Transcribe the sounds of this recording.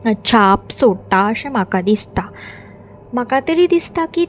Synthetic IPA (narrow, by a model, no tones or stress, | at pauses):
ət͡ɕʰapsoɽt̪aəsɛ̃m̤akad̪ist̪a | makat̪əɾiːd̪ist̪aki